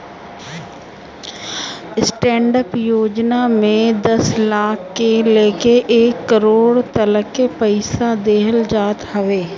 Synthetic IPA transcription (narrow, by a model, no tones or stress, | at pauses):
sʈɛ̃ːɳɖəpjoːd͡ʒnamẽd̪ɐslaːkʰːeleːkeʔeːkːəɾoːɽt̪ɐləkːepəɪsad̪eːɦəld͡ʒaːt̪həʋeː